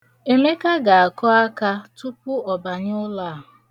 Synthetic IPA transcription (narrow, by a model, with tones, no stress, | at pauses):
e˨me˦ka˦ɡa˨a˨kɔ˦a˦ka˦tu˦pʊ˦ɔ˨ba˨ɲ˦ʊ˦laː˦˨ɦʊ˨